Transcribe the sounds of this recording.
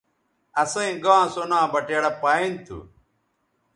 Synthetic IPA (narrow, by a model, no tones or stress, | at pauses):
ɐsɐĩɡãːsonãːbɐʈeːɽɐpaĩnt̪ʰṵ